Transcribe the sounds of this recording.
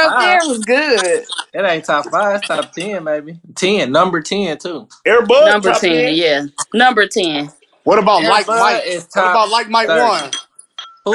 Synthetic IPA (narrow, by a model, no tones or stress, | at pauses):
ʌðə˞wʌzɡʊdɪɾẽɪ̃ntʰɑpfaɪvɪstʰɑp̚tʰɛ̃nmeɪbitʰɛ̃nːʌ̃mbə˞tʰɛ̃ntʰuɛɹbʊnʌ̃mbə˞tʰɛ̃njænʌ̃mbə˞tʰɛ̃n | wʌɾəbaʊtˡlaɪk̚aɪɪstʰɑəbaʊtˡlaɪk̚maɪʔwʌ̃n | hu